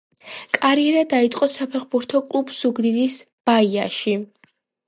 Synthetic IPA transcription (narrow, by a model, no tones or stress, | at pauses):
kʼaɾiɛɾad̪ait̪sʼqʼɔsapʰɛχbuɾt̪ʰɔkʼlˠubsuɡd̪id̪is | b̥aia̰ʃi